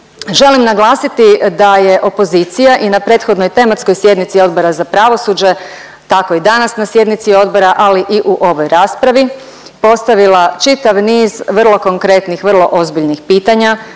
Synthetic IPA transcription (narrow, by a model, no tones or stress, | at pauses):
ʒe̞limnaɡlˠaːsit̪id̪aje̞ʔo̞po̞ziːt̪sijaʔinapɾe̞ːt̪xo̞d̪no̞jt̪e̞mat̪sko̞jsje̞d̪nit̪sio̞d̪bo̞ɾazapɾaʋo̞suːd͡ʑe̞ | t̪ako̞id̪anasnasje̞d̪nit̪sio̞d̪bo̞ɾaʔaliʔiʔuʔo̞ʋo̞jɾaːspɾaʋi | po̞st̪aʋilˠat͡ʃit̪aʋniːzʋr̩lˠo̞ko̞ŋkɾe̞t̪nixʋrlˠo̞ʔo̞zbiʎnixpiːt̪aɲa